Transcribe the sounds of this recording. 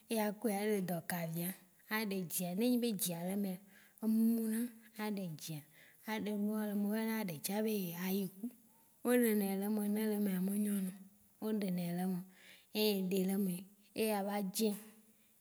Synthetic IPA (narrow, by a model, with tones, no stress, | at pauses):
e˦ja˨ku˦˨a˨˦ɖe˨d̪ɔ˨ka˨vi˨a˨ | a˨ɖe˨d͡ʑi˨a˨nẽ˦ɲĩ˦be˦d͡ʑi˨a˨le˦mẽ˨ | e˦mu˦mũ˦nã˦a˨ɖe˨d͡ʑi˨a˨ | a˨ɖe˨lu˦a˦le˨mẽ˨we˦nã˦˨ɖe˨t͡ʃa˦be˦˨a˨je˨ku˦ | wo˦nẽ˨nɛ̃˨le˦mẽ˨nẽ˦le˦me˨a˨me˨ɲɔ̃˦nɔ̃˨ | wo˦ɖe˨nẽ˨le˦mẽ˨e˦e˨ɖe˨le˦me˨ | e˦ja˨va˦d͡ʒɛ̃˦